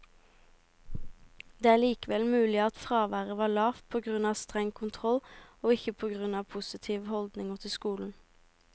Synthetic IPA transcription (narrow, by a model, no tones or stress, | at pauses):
d̪eːæːɭiːkəʋɛlmʉːlɪɑt̪fʁɑːʋæːʁəʋɑːɭɑːfpʰoːɡʁʉnɑːst̪ʁɛŋkʰʊnt̪ʰʁɔloːɪçəpʰoːɡʁʉnɑːʋpʰʊsɪt̪ʰiːʋhɔld̪nɪŋoːt̪ʰɪskuːln̩